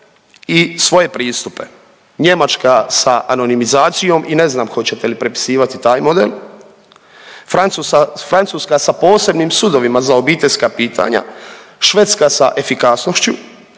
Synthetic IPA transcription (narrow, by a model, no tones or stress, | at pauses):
isʋo̞je̞pɾiːst̪upe̞ | ɲe̞mat͡ʃkasaʔano̞nimizaːt̪sijo̞ːmʔine̞znaːmxo̞t͡ɕe̞t̪e̞lipɾe̞pi̥siːʋat̪it̪aːjmo̞d̪ḛl | fɾant̪sufɾant̪suːskasapo̞ːse̞bnimsud̪o̞ʋimazao̞biːt̪e̞ʎʲskapiːt̪ʰa̰ɲa̰ʃʋe̞t̪skasaʔe̞fikasnoʃt͡ɕu